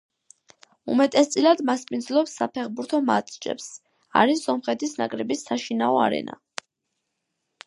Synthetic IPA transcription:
ṵmɛt̪ʼɛst̪sʼilad̪maspʼind̪zlˠɔpsːapʰɛχbuɾt̪ʰɔma̰t̪ʼd͡ʒɛ̰ps | a̰ɾisɔmχɛt̪ʰisnakʼɾɛbisːaʃinaɔa̰ɾɛ̰na̰

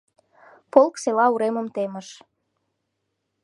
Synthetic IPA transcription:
polkselɑuɾemə̆mt̪eməʃ

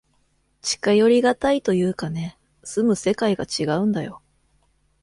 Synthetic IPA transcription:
t͡ɕi̥kajo̞ɾʲiɡat̪ait̪o̞jɯ̟ːkane̞ | sɨmɯ̟se̞kaiɡat͡ɕiɡaɯ̟̃nd̪ajo̞

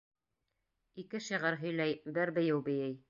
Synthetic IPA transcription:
ikɘʃĭʁɑɾɦɵ̆jlæjbɘɾbɘ̆jɘwbɘ̆jɘj

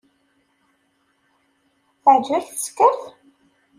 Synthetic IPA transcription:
θəʕd͡ʒæθə̥skəɾθ

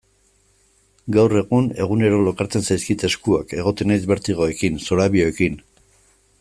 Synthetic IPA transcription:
ɡawre̞ɣune̞ɣ̞une̞ɾo̞lo̞kaɾt͡se̞nsajskit̪e̞skuake̞ɣ̞o̞t̪e̞najzβe̞ɾt̪iɣ̞o̞e̞kinsoɾaβio̞e̞kin

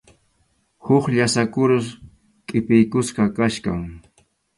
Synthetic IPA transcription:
hʊχʎasakʊɾʊs | kʼɪpɪjkʊsqɑkaʃkaŋ

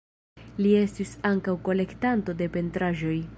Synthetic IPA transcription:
lie̞stisaŋkawko̞le̞ktanto̞de̞pe̞ntɾaʒo̞j

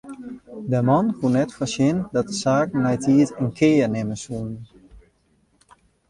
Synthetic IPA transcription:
dəmɔnkʰunɛtfəsɪndɔt̚dəsaːkn̩mɛjtiətənkʰɪːənɪməsun

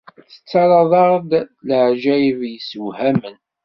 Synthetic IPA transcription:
θə̥t͡sːɑɾˤɑðˤɑʁd̪ləʕʒæjvjəswhæmən

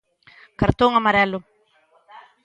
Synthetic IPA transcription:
kaɾt̪oŋamaɾɛlʊ

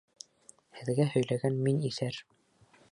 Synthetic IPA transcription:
hɘ̆ðɡæhɵ̆jlæɡænminiθæɾ

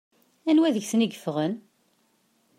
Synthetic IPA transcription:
ænwæðəʝsniɡəfʁən

